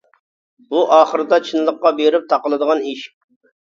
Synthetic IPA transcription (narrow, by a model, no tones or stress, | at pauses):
buʔɑːχəɾɨd̪ɑt͡ʃʰinlˠəqːɑbeɾɪp̚t̪ʰɑqəlˠɨd̪əʁɑniʃ